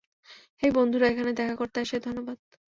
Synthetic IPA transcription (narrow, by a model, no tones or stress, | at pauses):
hejbond̪ʱuɾaekʰaned̪ɛkʰakoɾt̪eaʃed̪ʱonːobad̪̥